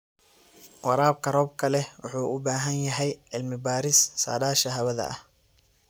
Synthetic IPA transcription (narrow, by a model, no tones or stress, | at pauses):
wɑɾaːb̚kʰɐrɔːb̚kʰɐlɛwʊħuːʊbaːɦɐnjɐɦɛjʕɪlmɪbaːɾɪssa̰ːdaːʃɐɦɐβɐðɐ̰ʔɐ̰h